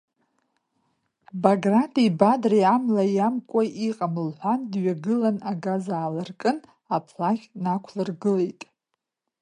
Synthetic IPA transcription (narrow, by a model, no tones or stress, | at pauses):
baɡratʼibadriamlajamkʷʼaʔiqʼamɨlħʷandɥaɡɨlanaɡazaːlarkʼɨn | apʰlakʲnakʷʰlɨrɡɨlejtʼ